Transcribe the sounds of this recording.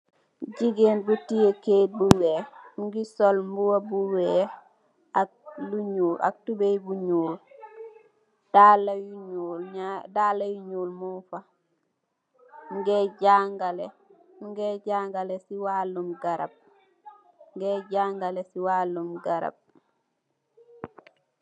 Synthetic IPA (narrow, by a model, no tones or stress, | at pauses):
ɟiɡenbutijekebuweːŋɡisolmbuwabuweː | ak̚luɲuːlʔa̰k̚tubejbuɲuːl | d̥alajuɲulɲadaːlːajuɲuːlmufa | ɡeɟaŋɡale | ŋɡeɟaŋɡalesiwalumɡaɾa̰b̚ | ŋɡeɟaːŋɡalesiwalːumɡaɾa̰b̚